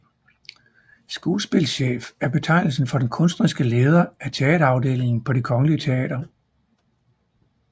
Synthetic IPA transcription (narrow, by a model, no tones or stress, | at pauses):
sɡ̥uːlsb̥e̝lɕḛːfæɐb̥e̝t͡sʰɑ̈ɪnl̩sn̩fɒ̽d̥enkʰɔ̽nsd̥ʁisɡ̥əle̝ːð̞ˠɐæt͡sʰe̝ɛ̰ːɾɐɑ̈ʊd̥e̝̰ːle̝ŋn̩pʰɒ̽ɾ̥ikʰɒ̽ŋəliət͡sʰe̝ɛ̰ːd̥ɐ